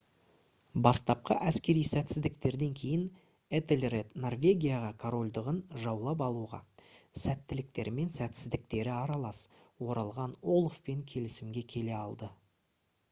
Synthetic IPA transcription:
bɑst̪ɑp̚qɑ̰ʔæskʲe̞ɾijsæt̪sɪzd̪ɪk̚t̪e̞ɾd̪e̞ŋkʲʰe̞jɪn | et̪elʲret̪no̞rvʲe̞ɡʲijaʁɑkʰaɾo̞lʲd̪əʁənʒɑwlˠɑp̬ɑlˠuʁɑ̰sæt̪ːɪlɪk̚t̪e̞ɾme̞nsæt̪sɪzd̪ɪk̚t̪e̞ɾɪɑɾɑlˠɑs | wo̞ɾɑlˠʁɑnolˠfpe̞ŋkʲʰe̞lɪsɪmɡʲe̞kʲʰe̞le̞ɑlˠd̪ə

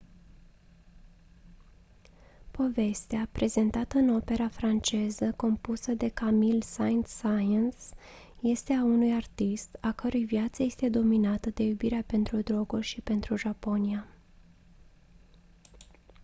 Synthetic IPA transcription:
po̞ve̞st̪eapɾʔe̞ze̞nt̪at̪əɨno̞pe̞ɾafɾant͡ʃe̞zəko̞mpusəd̪e̞kamilsaɨnt̪sajəns | je̞st̪eaunujart̪ist̪akəɾujvjat̪səje̞st̪e̞d̪o̞minat̪əd̪e̞jubiɾeape̞nt̪ɾud̪ɾo̞ɡurʲʃipe̞nt̪ɾuʒapo̞nia

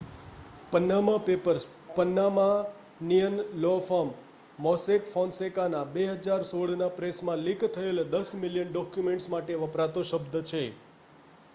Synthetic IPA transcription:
pənːamãpepəɾs | pənːamã | nijənlɔfamː | ɔsekfɔnsekanabeɦəd͡ʒaɾsoɽnapɾesmãlikʰt̪ʰəeld̪əsmiljənɖɔkjumẽɳʈsmaʈeʋəpɾat̪oʃəbd̪ʱt͡ʃʰe

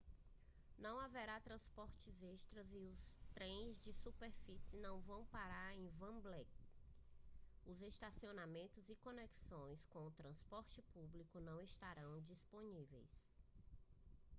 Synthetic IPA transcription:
nɐ̃w̃avɛɾat̪ɾɐ̃spɔɾt͡ʃɪzeʃt̪ɾɐziʊst̪ɾẽj̃zd͡ʒɪsupeɾfisɪnɐ̃w̃vɐ̃w̃paɾaɾẽj̃vɐ̃blɛk | ʊzest̪asionamẽnt̪ʊzɪkõnɛksõj̃skõʊt̪ɾɐ̃spɔɾt͡ʃɪpublikʊnɐ̃w̃est̪aɾɐ̃w̃d͡ʒisponivḛjs

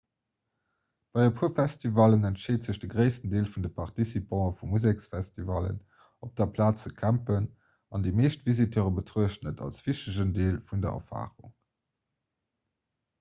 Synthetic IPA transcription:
b̥ɑɪɐpʰufæstivɑlənæntʃeːtz̥əɕd̥əɡʁəɪsəndeːlfundəpʰɑʁtisipʰɑ̃ːəfumuzeksfæstivɑlə̰n | op̚d̥ɐpʰlaːt͡səkʰæmpən | ɑndimeːʃtv̥izitʰøːʁəbətʁuəʃtnətʰɑ̰lsv̥iʃtəʒəndeːlfundɐ̰ɐ̰fa̰ːʁṵŋ

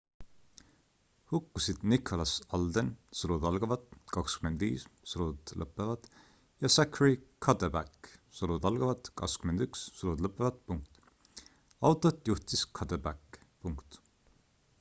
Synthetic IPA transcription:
hukːusid̪̥nikʰolɑsɑld̪ensolud̪ɑlɡ̥ɑvɑt̪kɑkskymend̪vḭːssoɾud̪lə̰pːəvɑt̪ | jɑsækʰːɹikʰɑt̪əbækːsoɾud̪ɑlɡɑvɑt̪kɑ̰kskymend̪̥ykssolud̪ləpːˑevɑt̪̚puŋk̚t̪ | ɑwt̪ˑːot̪juht̪iskʰɑt̪əbækːpuŋkt̪

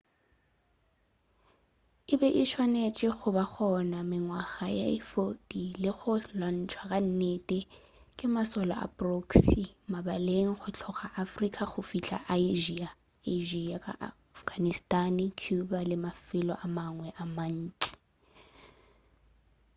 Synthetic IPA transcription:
ɪbɛʔɪʃʰwanet͡ʃʼɪɣʊbak͡xʰɔnamɪŋwaɣaja̰ɪfotʼilɪχʊlwan̩t͡ʃʰʼwakʼan̩netʼɛ | kʼɪmasɔla̰ʔa̰pʼroksimabaleŋ̩χʊt͡ɬʰɔχaʔafrikʼaχʊfiɬa̰ʔaiʒia | eʒiakʼa̰ʔ | fɡ̥anistʼankʰjubalɪmafɪlɔ̰ʔamaŋwɛʔaman̩ːt͡ʃʼi̥

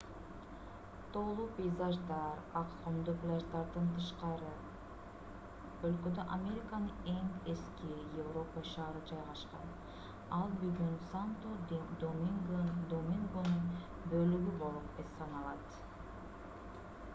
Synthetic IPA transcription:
t̪ʰo̞ːlˠuːpʲejzaʒd̪ɑɾɑqqomd̪uplʲaʒd̪ɑɾd̪ɯnt̪ʰɯʃqɑɾɯ | ølkød̪øʔamʲe̞ɾʲɪkanɯe̞ŋe̞skijevro̞pəʃɑːɾɯd͡ʒɑjʁɑʃqɑn | ɑlˠbyɡynsant̪od̪omiŋɡd̪omʲiŋɡonun | bølyɡybo̞lˠupessɑnɑlˠɑt̪

